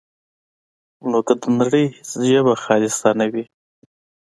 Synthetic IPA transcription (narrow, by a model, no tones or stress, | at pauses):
nokad̪ənaɽəjhɪsʒəβaxɑːlɪst̪anawi